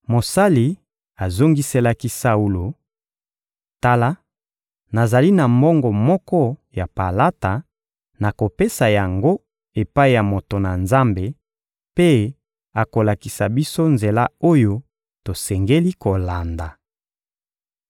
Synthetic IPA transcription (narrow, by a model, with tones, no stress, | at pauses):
mo˨sa˦li˨ | a˨zo˦ŋɡi˦se˦la˦ki˦sa˦u˦lo˨ | ta˦la˦ | na˨za˨li˦na˨mbɔ˦ŋɡɔ˨mɔ˦kɔ˦ja˨pa˨la˦ta˨ | na˨ko˨pe˦sa˨ja˨ŋɡo˦ | e˨pa˦i˦˨ja˨mo˨to˨na˨nza˦mbe˨ | pe˦ | a˨ko˨la˨ki˨sa˨bi˦so˦nze˨la˦o˦jo˦ | to˨sɛ˨ŋɡe˦li˦ko˨la˨nda˨